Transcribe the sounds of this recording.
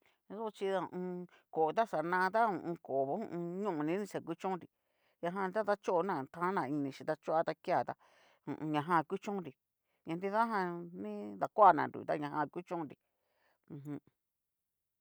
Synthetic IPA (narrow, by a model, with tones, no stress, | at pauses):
so˦˧t͡ʃi˧ða˧ũ˧ũ˧ | ko˨t̪a˦sa˨nã˧t̪a˦ṵ̃˧˨ʔũ˧ko˨βo˦ṵ̃˧ʔũ˧ɲũ˦ʔnĩ˧˦nĩ˦sa˨ku˦t͡ʃõ˦nɾi˨ | jã˧ɦã˧t̪a˦t̪a˦t͡ʃo˦ʔnã˧˨t̪ʰã˦nã˧˨i˧nĩ˧ʃĩ˧t̪a˧t͡ʃu˦a˦t̪a˧ki˦a˧˨t̪a˧ | ṵ̃˨ʔũ˧ɲã˧ɦã˧˨˧ku˦t͡ʃõ˦nɾi˨ | ɲã˧nd̪i˦ða˦ɦã˧nĩ˦d̪a˨kʷːnã̰˨ɾṵ˨t̪a̰˦ɲã˧hã˧˨˧ku˦t͡ʃõ˦nɾi˧ | ũ˧ɦũ˧